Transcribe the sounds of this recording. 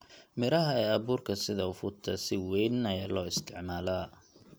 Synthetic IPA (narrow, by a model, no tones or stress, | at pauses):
mɪɾɐɦɐɛːɐβuːrkʰɐsɪðɐʊfʊt̪ʰɐsɪwɛjnɐjɐlɔːɪst̪ʰɪʕmaːlaː